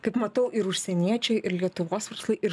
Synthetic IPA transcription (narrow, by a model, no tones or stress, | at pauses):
kɐɪpmɐt̪ɐʊʔɪɾʊʃʲsʲɛnʲiɛt͡ʃʲɛɪʔɪɾlʲiɛt̪ʊʋoːsʋɐɾslˠɐɪʔɪ